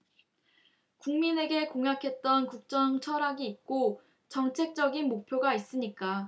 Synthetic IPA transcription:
kuŋmine̞ɡe̞koŋɦjakʰe̞t̚t͈ʌnkuk̚t͡ɕ͈ʌŋt͡ɕʰʌɾaɡiːt̚k͈o | t͡ɕʌŋt͡ɕʰe̞k̚t͡ɕ͈ʌɡinmok̚pʰjoɡais͈ɯɲik͈a

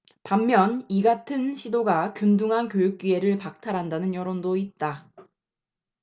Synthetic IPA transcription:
pamːjʌniɡatʰɯnɕʰidoɡakjunduŋɦankjojuk̚k͈ɥie̞ɾɯɭpak̚tʰaɾɦandanɯnjʌɾondoit̚t͈a

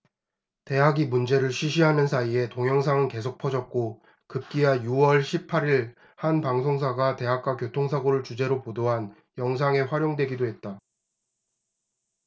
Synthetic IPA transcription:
te̞ɦaɡimund͡ʑe̞ɾɯɭɕʰɥiɕʰiɦanɯnsʰaie̞toŋjʌŋs̬ʰaŋɯnke̞sʰok̚pʰʌd͡ʑʌk̚k͈o | kɯp̚k͈iɦajuwʌɭɕʰipʰaɾiɭ | hanpaŋsʰoŋs̬ʰaɡate̞ɦak̚k͈wakjotʰoŋsʰaɡoɾɯɭt͡ɕud͡ʑe̞ɾopodoɦan | jʌŋs̬ʰaŋe̞ɸwaɾjoŋdwe̞ɡidoɦe̞t̚t͈a

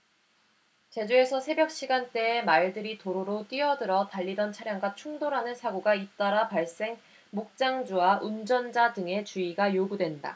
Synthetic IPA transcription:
t͡ɕe̞d͡ʑue̞sʰʌsʰe̞bjʌk̚ɕ͈iɡant͈e̞ːmaɭdɯɾitoɾoɾot͈iʌdɯɾʌtaʎːidʌnt͡ɕʰaɾjaŋɡwat͡ɕʰuŋdoɾɦanɯnsʰaɡoɡait͈aɾapaɭs͈e̞ŋ | mok̚t͡ɕ͈aŋd͡ʑuwaʔund͡ʑʌnd͡ʑadɯŋe̞t͡ɕuiɡajoɡudwe̞nda̰

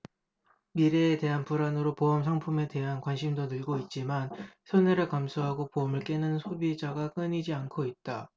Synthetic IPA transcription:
miɾeːte̞ɦanpuɾanɯɾopoʌmsʰaŋpʰume̞te̞ɦankwanɕʰimdonɯɭɡoit̚t͡ɕ͈imansʰoneɾɯɭkamsʰuɦaɡopoʌmɯɭk͈e̞nɯnsʰobid͡ʑaɡak͈ɯɲid͡ʑiankʰoit̚t͈a

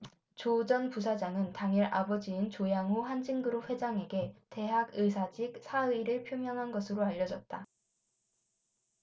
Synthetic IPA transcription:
t͡ɕod͡ʑʌnpusʰad͡ʑaŋɯntaŋʌɾʔa̰bʌd͡ʑiint͡ɕojaŋɦoɸand͡ʑiŋɡɯɾoɸwe̞d͡ʑaŋe̞ɡe̞te̞ɦaɡɯsʰad͡ʑik̚sʰaɯiɾɯɭpʰjomjʌŋɦanɡʌsʰɯɾoaʎːʌd͡ʑʌt̚t͈a

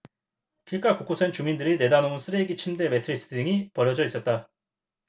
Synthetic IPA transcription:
kiɭk͈akuk͈osʰent͡ɕumindɯɾine̞danouns͈ʰɯɾeɡit͡ɕʰimde̞me̞tʰɯɾis͈ʰɯ̥ɯŋipʌɾjʌd͡ʑʌis͈ʌt̚t͈a

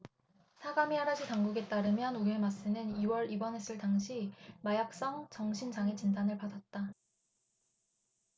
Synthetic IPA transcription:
sʰaɡamiaɾad͡ʑitaŋɡuɡe̞t͈aɾɯmjʌnuemas͈ɯnɯniwʌɾibʌnɦe̞s͈ɯɭtaŋɕʰimajak̚s͈ʌŋt͡ɕʌŋɕʰind͡ʑaŋet͡ɕindanɯɭpadat̚t͈a

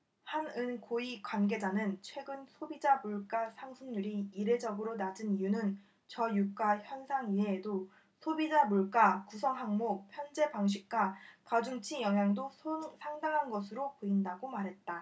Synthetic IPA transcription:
hanɯnkoikwanɡe̞d͡ʑanɯnt͡ɕʰwe̞ɡɯnsʰobid͡ʑamuɭk͈asʰaŋsʰuŋɲuɾiiɾe̞d͡ʑʌɡɯɾonad͡ʑɯnijunɯn | t͡ɕʌjuk͈açjʌnsʰaŋiɦeːdo | sʰobid͡ʑamuɭk͈akusʰʌŋɦaŋmok̚pʰjʌnd͡ʑe̞paŋɕ̬ʰik̚k͈wakad͡ʑuŋt͡ɕʰijʌŋjaŋdosʰoŋsʰaŋdaŋɦanɡʌsʰɯɾopoindaɡomaɾɦe̞t̚t͈a

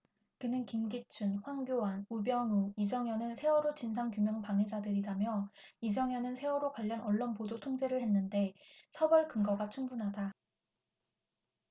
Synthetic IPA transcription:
kɯnɯnkimɡit͡ɕʰunɸwaŋɡjowanubjʌŋuid͡ʑʌŋjʌnɯnsʰe̞wʌɾot͡ɕinsʰaŋkjumjʌŋpaŋɦe̞d͡ʑadɯɾidamjʌid͡ʑʌŋjʌnɯnsʰe̞wʌɾokwaʎːʌnʌɭːonpodotʰoŋd͡ʑe̞ɾɯɭhe̞nːɯnde̞ | sʰʌbʌɭkɯŋɡʌɡat͡ɕʰuŋbunɦada

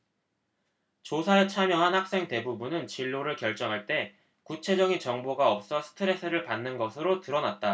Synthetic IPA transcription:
t͡ɕosʰaet͡ɕʰamjʌɦanhak̚s͈e̞ŋte̞bubunɯnt͡ɕiɭːoɾɯɭkjʌɭt͡ɕ͈ʌŋɦaɭt͈e̞ | kut͡ɕʰe̞d͡ʑʌŋit͡ɕʌŋboɡaʌp̚s͈ʌsʰɯ̥tʰɯɾe̞sʰɯɾɯɭpanːɯnɡʌsʰɯɾotɯɾʌnat̚t͈a

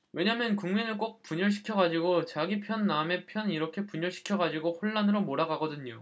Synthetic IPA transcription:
we̞ɲamjʌnkuŋmenɯɭk͈ok̚p͈uɲʌɭɕʰi̥kʰjʌɡad͡ʑiɡot͡ɕaɡipʰjʌnːame̞pʰjʌniɾʌkʰe̞puɲʌɭɕʰi̥kʰjʌɡad͡ʑiɡoɸoɭːanɯɾomoɾaɡaɡʌdɯɲo

